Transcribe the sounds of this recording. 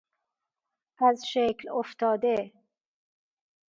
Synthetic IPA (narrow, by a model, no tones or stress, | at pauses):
æzʃekloft̪ʰɒːd̪e